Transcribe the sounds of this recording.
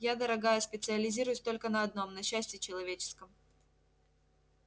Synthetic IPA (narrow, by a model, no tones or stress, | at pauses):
jad̪əɾɐɡajəspʲɪt̪sɨɐlʲɪzʲiɾʊjʊsʲt̪o̞lʲkənɐɐd̪no̞mnɐɕːæsʲtʲɪt͡ɕɪlˠɐvʲet͡ɕɪ̥skəm